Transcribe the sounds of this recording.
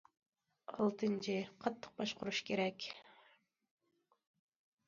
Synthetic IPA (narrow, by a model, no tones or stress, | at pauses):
ɑlˠt̪ɨnt͡ʃʰɪqʰɑt̪ʰːə̥q̚bɑʃqʰʊɾuʃkʲʰeɾɛkʲ